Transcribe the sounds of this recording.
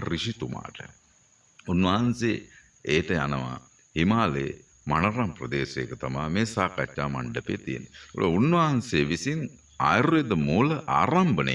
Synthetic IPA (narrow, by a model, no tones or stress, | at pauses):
riʃit̪uma̰ːʈə̰ | unʋaɦɐnseː | eːʈəja̰nɐʋa̰ | himaːlḛ | manɐɾamprɐd̪eːsejkət̪amaːmeːsaːkat͡ʃːaːma̰ɳɖəpḛːt̪ijḛnːo̰ɭʔounːʋaːɐnseːʋisin | aːjɾued̪əmuːləʔa̰ːɾambənḛ